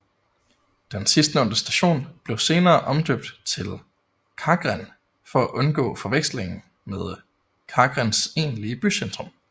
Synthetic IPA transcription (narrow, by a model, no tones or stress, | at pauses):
d̥ensisd̥nɔ̽n̰d̥əsd̥æɕo̝̰ːnb̥le̝ʊse̝ːnɐːʔɒ̽md̥øb̥̚d̥t͡sʰe̝l | kʰɑ̈ːɡ̥ʁan | fɒ̽æʔɔ̽nɡ̥ɔ̰̽ːfɒ̽ʋeɡ̥sle̝ŋn̩ | meðˠ | kʰɑ̈ɡ̥ʁanse̝̰ːnliəb̥ysend̥ʁɔ̽m